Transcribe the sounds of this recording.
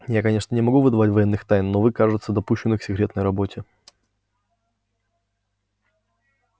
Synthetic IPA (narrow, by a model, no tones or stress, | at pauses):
jakɐnʲe̞ʂnənʲɪmɐɡuvɨd̪ɐvatʲvɐjenːɨxt̪ajnːovɨkaʐɨt̪səd̪ɐpuɕːɪnːɨksʲɪkɾʲe̞t̪nəjrɐbo̞tʲɪ